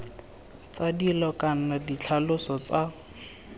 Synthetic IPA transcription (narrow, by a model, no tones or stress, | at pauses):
t͡sadilɔkʼan̩nadit͡ɬʰalʊsɔt͡sa